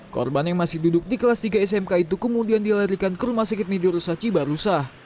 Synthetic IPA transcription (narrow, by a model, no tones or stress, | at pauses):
kɔ̰rbanjaŋmasɪhdudʊk̚dikəlast̪iɡaɛsɛmkait̪ukəmudiandilaɾikankəɾumasəkɪt̪̚miduɾusaht͡ʃibaɾusah